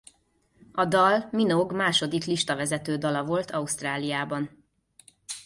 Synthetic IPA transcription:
ɒd̪ɒlminoɡmaːʃo̞d̪ikliʃt̪ɒvɛzɛt̪øːd̪ɒlɒvo̞lt̪ʰɒust̪raːlijaːbɒn

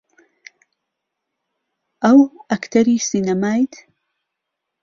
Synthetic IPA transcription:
ʔɐwɐkt̪ʰɐɾiːsinɐmaːjt̪

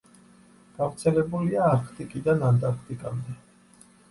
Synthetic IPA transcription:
ɡ̥avɾt̪sʰɛlɛbuliaːɾkʰt̪ʼikʼid̪anant̪ʼaɾkʰt̪ʼikʼamd̪ɛ

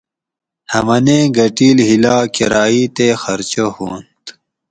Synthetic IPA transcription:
hɐmɐnẽːɡɐʈiːlɦilaːkɐ̰ɾaːiːt̪eːxɐɾt͡ɕohoːnt̪

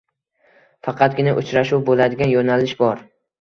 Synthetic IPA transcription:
fɑqʰɑt̪̚ɡʲɪnaʔʊt͡ʃɾaʃuwbolad̪ɪɡʲanjonalɪʃbɒɾ

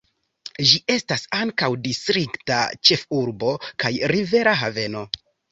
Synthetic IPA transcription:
ʒiʔe̞stasaŋkawdistɾikta̰t͡ʃe̞fuɾbo̞kajɾive̞ɾaɦave̞no̞

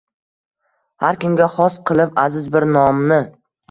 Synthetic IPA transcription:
haɾkʰʲʊmɡʲaχɒsqʰɨlˠɪpazɪzbɪɾnɒmnɪ

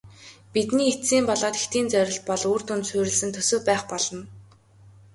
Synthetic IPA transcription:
pit̪niːet̪siːmpɔɮɔːt̪ext̪iːnt͡sœɾʲɪ̆ɬt̪̚pɔɮuːrt̪ʊnt̪sʊːɾʲɪ̆ɮsɘ̆nt̪ʰɵsɵ̆ːpæːχpɔɮɞ̆n

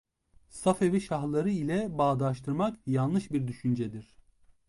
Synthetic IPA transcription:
safevɛʃaxlˠaɾɯilʲɛbaːd̪aʃt̪ʰɯɾmakjanlˠɯʃbiɾd̪yʃynd͡ʒɛd̪iɾ̥

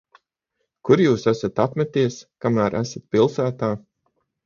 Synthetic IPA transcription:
kuɾjuːsæsat̪apmɛt̪iɛskamæːɾʔæsat̪̚pʲilˠsæːt̪aː

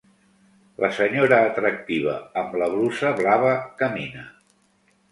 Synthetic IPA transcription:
lʔəsəɲoɾəːt̪ɾək̚t̪iβ̞ə̰əmləβ̞lusəβlaβ̞əkəminə

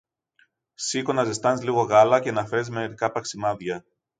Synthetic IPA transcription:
sikonɐzest̪ɐnzliɣo̞ɣɐlɐcenɐfezmeɾikɐpɐksimɐðʝɐ

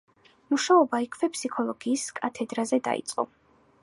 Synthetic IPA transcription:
muʃaɔbaikʰvɛpʰsikʰɔlˠɔɡiːskʼat̪ʰɛd̪ɾazɛd̪a̰ḭt̪sʼqʼɔ̰

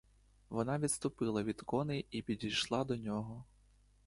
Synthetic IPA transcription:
ʋɔnɑʋʲidt̪st̪ʊpɪlˠɐʋʲid̪kɔnɪipʲidʲijʃlˠɑd̪ɔnʲɔɦɔ

